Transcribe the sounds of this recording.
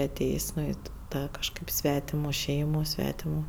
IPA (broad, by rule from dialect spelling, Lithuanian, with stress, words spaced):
ɐˈtʲeːjsʲ ˈnʊ ɪ ɪ ˈtɑː kɐʃˈkɐɪp ˈsʲʋʲæːtʲɪmʊ ˈʃʲɛɪmʊ ˈsʲʋʲæːtʲɪmʊ